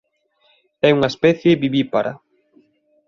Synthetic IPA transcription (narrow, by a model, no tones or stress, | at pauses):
ɛuŋaespɛθjeβiβipaɾa̰